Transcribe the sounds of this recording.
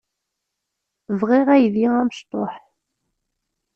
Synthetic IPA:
vʁɪʁæjðiæməʃt̪ˤoħ

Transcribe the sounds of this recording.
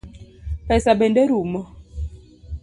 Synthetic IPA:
pɛsabɛndɛɾumɔ

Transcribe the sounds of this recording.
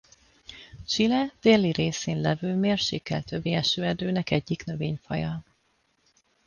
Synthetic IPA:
t͡ʃilɛd̪̥eːlːiɾeːseːnlɛvøːlmeːrʃeːkːɛ̰lt̪øbːiɛʃøːɛd̪øːnɛkɛɟːiknøveːɲfɒ̰jɒ

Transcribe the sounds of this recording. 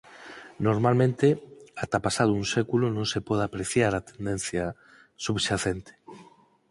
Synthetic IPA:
noɾmalmẽnt̪eat̪apasað̞oũŋsekulonõŋsepɔð̞apɾeθjaɾat̪end̪enθja | suβʃaθent̪e̥

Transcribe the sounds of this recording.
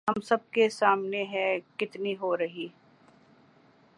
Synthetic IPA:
ɦɐmsɐb̚kesaːmneɦɛ̃kɪt̪niɦoɾɐɦiː

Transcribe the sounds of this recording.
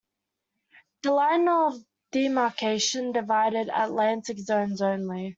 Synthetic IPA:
dəlaɪnə | d̥imɑˑkʰeɪʃə̃ndɪvaɪɾɪɾə̰ʔlæ̃ntɪkzə̃ʊ̃nzə̃ʊ̃nli

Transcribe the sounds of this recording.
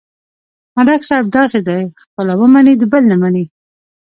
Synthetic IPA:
maɖaksɑjb̚d̪ɑsed̪ajxpəlawəmanid̪əbəlnamani

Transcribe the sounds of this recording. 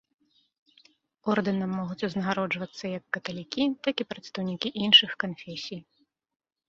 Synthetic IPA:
ɔrd̪ɐnɐmːɔɣut͡sʲuznɐɣaɾɔd͡ʐvɐt̪sːɐjɐkːɐt̪ɐlʲikʲit̪akʲipɾɐt̪st̪ɐwnʲikʲiʔinʂɨxkanfʲɛsʲij

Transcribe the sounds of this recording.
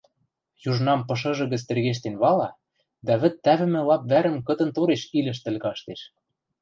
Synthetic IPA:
juʒnɑmpɤ̆ʃ̬ɤ̆ʒɤ̆ɣə̆t͡st̪ĕrɣeʃ̬t̪enβɑlɑ | d̪æβɘ̆t̪ːæβɘ̆mɘ̆lɑp̚βæɾə̆mkɤ̆t̪ɤ̆nt̪oɾeʃilʲɘ̆ʃ̬t̪ɘ̆lʲɣɑʃt̪eʃ

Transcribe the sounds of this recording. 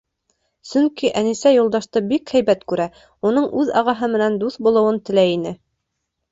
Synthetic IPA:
sɵŋkiʔænisæjulˠd̪ɑʃt̪ɤbikhæjbæt̪kʉɾæ | unɤɴʔʉðɑ̰ʁɑɦɤmɘ̆nænd̪uθbulˠɤ̆wɤnt̪ɘ̆læinɘ

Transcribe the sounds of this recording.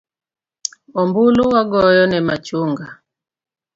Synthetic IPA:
ɔmbuluwaɡɔjɔnɛma̰t͡ʃuŋɡa

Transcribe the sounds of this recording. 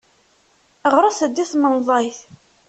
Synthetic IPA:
əʁɾˤɑsəd̪ːiθmənðˤɑjθ

